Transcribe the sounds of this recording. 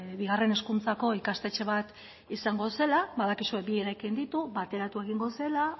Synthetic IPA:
βiɣ̞are̞ne̞skunt͡sako̞ikast̪e̞t͡ʃe̞β̞at̪ | isaŋɡo̞se̞laβaðakisue̞bieɾakind̪it̪uβat̪e̞ɾat̪ue̞ɣ̞iŋɡo̞se̞la

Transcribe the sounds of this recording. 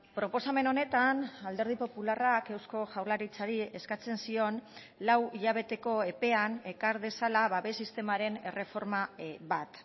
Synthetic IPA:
pɾo̞po̞same̞no̞ne̞t̪anald̪e̞ɾð̞ipo̞pularake̞wsko̞ʝawɾlaɾit͡saɾie̞skat͡se̞nsio̞n | lawiʎaβ̞e̞t̪e̞ko̞e̞pe̞ane̞kaɾðe̞salaβaβe̞sist̪e̞maɾe̞ne̞re̞fo̞ɾmaβat̪

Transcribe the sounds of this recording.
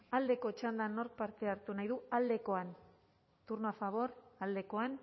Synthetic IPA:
ald̪e̞ko̞t͡ʃand̪anːo̞ɾk̚paɾt̪e̞aɾt̪unajðuald̪e̞ko̞an | t̪uɾnoafaβ̞o̞ɾald̪e̞ko̞an

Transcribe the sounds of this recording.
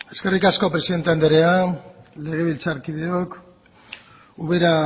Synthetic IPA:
e̞ske̞rikasko̞pɾe̞siðe̞nt̪eand̪eɾeale̞ɣ̞e̞βilt͡saɾkiðe̞o̞k | uβe̞ɾa

